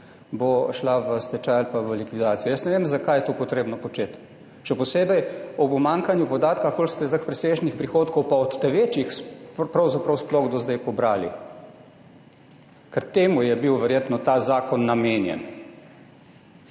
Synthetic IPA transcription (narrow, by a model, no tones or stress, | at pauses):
boʃlaʋəst̪ɛt͡ʃaalpaʋəlikʋid̪aːt̪sijɔjəsnɛʋeːmzakajɛt̪oːpɔt̪ɾeːbnɔpɔt͡ʃeːt̪ | ʃɛpɔseːbɛjɔpmaːŋkanjupɔd̪aːt̪kakolst̪ɛt̪akpɾɛseːʒnixpɾixoːt̪kɔwpaɔt̪ːɛʋeːt͡ʃixspɾɐwzapɾɐwsplɔɣd̪ɔzd̪ɛjpɔbɾaːlḭ | kɛɾt̪eːmujɛbiwʋɛɾjeːt̪nɔt̪aːzaːkɔnːameːnjɛ̰n